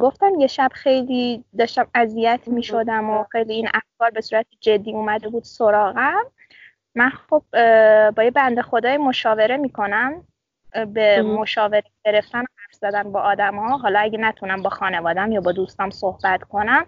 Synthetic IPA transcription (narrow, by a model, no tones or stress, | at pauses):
ɡo̞ft̪æmje̞ʃæb̥xe̞jliːd̪ɒːʃt̪æmæzijæt̪ʰmiːʃo̞d̪æmoxe̞jliːinʔæfkʰɒːɾbe̞suːɾæt̪ʰid͡ʒe̞d̪ːiːuːmæd̪e̞buːd̪̥soɾɒːɣæmː | ænxob̥̚bɒːjebænd̪exo̞d̪ɒːjimo̞ʃɒːve̞ɾemiːkʰo̞næm | bemo̞ʃɒːve̞ɾeɟe̞ɾe̞ft̪ænohæɾfz̥æd̪ænbɒːʔɒːd̪æmhɒːɦɒːlɒæɟenæt̪ʰunæmbɒːxɒːne̞vɒːd̪ææmjɒːbɒːd̪ust̪ɒːmsohb̥æt̪kʰo̞næm